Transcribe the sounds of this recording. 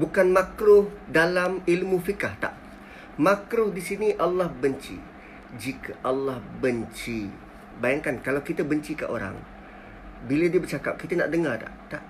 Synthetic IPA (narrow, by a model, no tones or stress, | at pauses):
bukanmakɾʊhdalamilmũfikaht̪a̰ʔ | makɾʊhdisiniʔalːahbəɲt͡ʃḭ | d͡ʒikʰəʔalːahbəɲt͡ʃi | bajaŋkankalawkit̪abəɲt͡ʃika̰ʔo̰ɾa̰ŋ | bilədiəbərt͡ʃakap̚kit̪ana̰ʔdəŋart̪a̰ʔt̪aʔ